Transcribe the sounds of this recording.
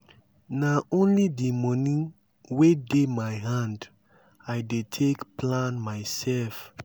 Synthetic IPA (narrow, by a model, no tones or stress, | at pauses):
naõnlidimɔni | wedemajɦãnd | ajdetʰekplãnmaɪsɛlf